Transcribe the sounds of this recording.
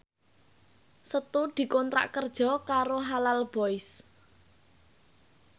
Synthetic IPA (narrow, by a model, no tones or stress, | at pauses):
sət̪ud̪̥i̤kɔnt̪ɾa̰ʔkərd̥ʒ̥ɔ̤kaɾoɦalalb̥ɔɪs